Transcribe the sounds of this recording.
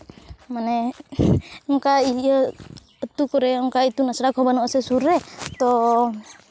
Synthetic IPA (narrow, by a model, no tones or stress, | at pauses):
mane | ɔŋkaiəː | t̪ukɔɾɛɔŋkait̪unasɾakɔbanɔsesuɾɛt̪ɔ